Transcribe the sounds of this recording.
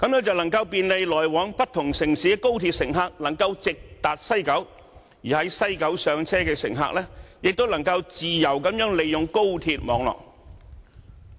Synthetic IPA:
kɐ˨˥mjœː˥ŋt͡sɐ˨wnɐ˨˩ŋkɐ˧wpiː˧nle˨˧jlɔː˨˩jwɔː˨˥ŋpɐ˥t̚t̪ʰʊ˨˩ŋsɪ˨˩ŋsiː˨˥˧ko˥wt̪ʰi˧t̚sɪ˨˩ŋɦaː˧k̚nɐ˨˩ŋkɐ˧wt͡sɪ˨k̚t̪aː˨˩t̚sɐ˥jkɐ˨˥w | jiː˨˩hɐ˨˥jsɐ˥jkɐ˨˥wsœː˨˧ŋt͡sʰɛː˥kɛː˧sɪ̰˨˩ŋɦa̰ː˧k̚lɛː˥jɪ˨k̚t̪o˥wnɐ˨˩ŋkɐ˧wt͡siː˨jɐ˨˩wkɐ˨˥mjœː˨˥ŋle˨˧jːʊ˨ŋko˥wt̪ʰiː˧t̚mɔː˨˧ŋlɔ̰ː˨˩k̚

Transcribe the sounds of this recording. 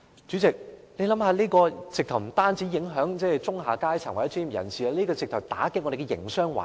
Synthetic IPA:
t͡ʃyː˨˥t͡sɪ˨k̚le˨˧lɐ˨˥mhaː˧liː˥kɔː˧t͡sɪ˨k̚t̪ʰɐ˨˩wm̩˨˩t̪aː˥nt͡siː˨˥jɪ˨˥ŋɦœː˨˥ŋt͡sɛː˥˩˨t͡sʊ˥ŋɦaː˨˩kaː˥jt͡sʰaː˨˩ŋwjɛ˨˥t͡sʰyː˧˥˨jɐ̰˨˩nsiː˨a˧liː˥kɔː˧t͡sɪ˨k̚t̪ʰwt̪a̰ː˨˥kɪ˥ŋɔ˧de˨˩kɛ˧jɪ̰˨˩ŋsœː˥ŋwa̰ː˨

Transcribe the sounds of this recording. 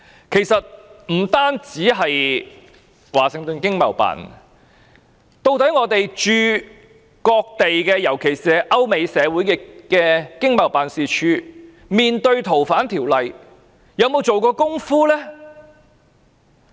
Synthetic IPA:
kʰe˨˩jsɐ˨t̚m̩˨˩t̪aː˥nt͡siː˨˥ɦɐ˨j | waː˨˩sɪ˨˧ŋt̪ɵ˨nkɪ˥ŋmɐ̰˨˩wpa̰ː˨˩n | t̪o˧wt̪ɐ˨˥jŋɔː˨˧t̪e˨jt͡ʃyː˧ | kɔː˧k̚t̪e˨jkɛː˧jɐ˨˩wkʰe˨˩jsiː˨ɛ˧ʔɐ˥wme˨˧jsɛː˨˧wuː˨˥jkɛ˧kɛː˧kɪ˥ŋmɐ˨˩wpaː˨nsiː˨t͡ʃʰyː˧ | miː˨nt̪ɵ˧ɥt̪ʰo˨˩wfaː˨˥nt̪ʰiː˨˩wlɐ˨j | jɐ˨˧wmo˨˧wt͡so˨wkɔː˧kʊ˥ŋfuː˥lɛː˥

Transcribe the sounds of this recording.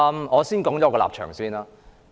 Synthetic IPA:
mɔː˨˧siː˥nkɔː˨˥ŋt͡ʃɔː˨˥kɔ˧la̰ː˨p̚t͡ʃʰœ̰ː˨˩ŋsiː˥naː˧

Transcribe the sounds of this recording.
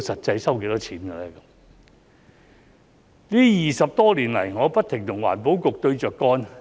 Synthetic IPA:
sɐ˨t̚t͡sɐ˧jsɐ˥wke˨˧jt̪ɔ˥t͡ɕʰiː˨˥mɡɐ˧lɛː˥kɐ˨˥m | liː˥jiː˨˩sɐ˨p̚t̪ɔː˥liː˨˩nlɐ˨˩jŋɔː˨˧pɐ˥t̪̚ʰɪ˨˩ŋt̪ʰʊ˨˩ŋwa̰ː˨˩npo˨˥wkʊ˨k̚t̪ɵ˧ɥt͡ʃœː˨kːɔː˥n

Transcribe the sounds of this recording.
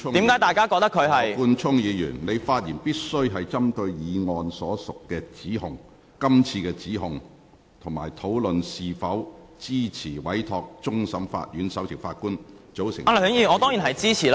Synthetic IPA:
ʊ˥i˨˥mkaː˨˥jt̪aː˨jkaː˥kɔː˧k̚t̪ɐ˥kʰɵ˨˧ɥɦɐ˨jkuː˧nt͡sʰʊ˥ŋjiː˨˧jy̰ː˨˩nne˨˧jfaː˧t̚jiː˨˩npiː˥t̚sɵ˥ɥɦɐ˨jt͡sɐ˥mt̪ɵ˧ɥjiː˨˧ŋɔː˨˧nsɔː˨˥sʊ˨kːɛː˧t͡siː˨˥ɦʊ˨ŋ | kɐ˥mt͡sʰiː˧kɛː˧t͡siː˨˥ɦʊ˨ŋ | t̪ʰʊ˨˩ŋma̰ː˨˩jt̪ʰo˨˥wlɵ˨nsiː˨fɐ˨˥wt͡siː˥t͡sʰiː˨˩wɐ˨˥jt̪ʰɔː˧k̚t͡ʃʊ˥ŋsɐ˨˥mfa̰ː˧t̚jyː˨˥nsɐ˨˥wt͡sʰɪ˨˩wfaː˧t̚kuː˥nt͡so˨˥wsɪ̰˨˩ŋa˨lːŋjiː˧˨nɔ˨˧t̪ɔ˥ŋji˨˩nɦɐ˨jt͡siː˥t͡sʰiː˨˩l

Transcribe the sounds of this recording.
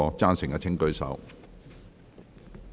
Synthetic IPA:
ɔː˧t͡saː˥nsɪ˨˩ŋkɐː˧t͡sʰɪ˥ŋkɵ˥ɥsɐ̰˨˥w

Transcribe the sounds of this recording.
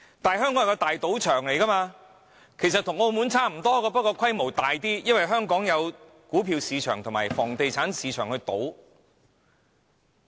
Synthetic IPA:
t̪aː˨ɦœː˥ŋkɔː˨˥ŋjkɔ˧t̪aː˨jt̪o˨˥wt͡ʃʰœː˨˩ŋle˨˩jkɐ˥maː˧ | kʰe˨˩js̬ɐ˨t̪ʰʊ˨˩ŋo˧wmuː˨˥nt͡sʰaː˥˩m̩˨˩t̪ɔː˥kɔː˧pɐ˥t̚kɔː˧kʰɐ˥jmo˨˩wt̪aː˨jt̪iː˥jɐ˥nwɐ˨jɦœː˥ŋkɔː˨˥ŋjɐ˨˧w | kuː˨˥pʰiː˧wsiː˨˧t͡ʃʰœː˨˩ŋt̪ʰʊ˨˩ŋmaː˨˩jfɔ̰ː˨˩ŋt̪e˨jt͡sʰaː˨˥nsiː˨˧t͡ʃʰœː˨˩ŋhɵ˧t̪o̰˨˥w

